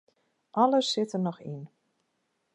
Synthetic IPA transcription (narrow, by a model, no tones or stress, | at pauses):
ʔɑləsɪtərnɔxḭn